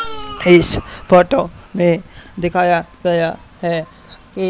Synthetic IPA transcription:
ɪspɔʈomẽd̪ekʰajaɡɐja | ɦɛ | ki

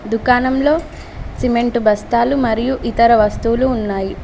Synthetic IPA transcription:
d̪ukaːnɐmlo̞ː | sime̞ɳʈubʱɐst̪aːlumɐɾijuʔit̪ɐɾɐʋɐst̪uːluːnːaːji

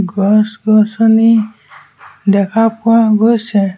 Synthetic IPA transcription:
ɡɔsɡɔsɔni | d̪ɛkʰapʊwaɡɔjsɛ

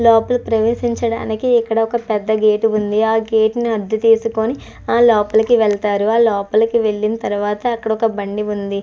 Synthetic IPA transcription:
lɔːpɐlupɾɐʋeːʃiɲt͡ʃɐɽa̰ːnikiikːɐɽɐɔkɐpɛd̪ːɐɡeːʈund̪iaːɡe̞ːʈniɐd̪ːut̪iːsuko̞ni | aːlɔːpɐlɐkiʋɛɭɐt̪aːɾuaːlɔːpɐlɐkiʋe̞ɭːinɐt̪ɐɾuʋaːt̪ɐːkːɐɽɐɔkɐbɐɳɖiund̪i

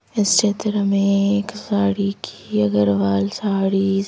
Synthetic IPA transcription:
ɪst͡ʃeːt̪əɾəmẽeːksaːɽikʰi̥ɐɡəɾʋaːlsaːɽi

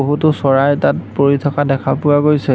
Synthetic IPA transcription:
oɦutʊsɔɹajtat̚poɹitʰɔkadɛkʰapʊaɡojsɛ

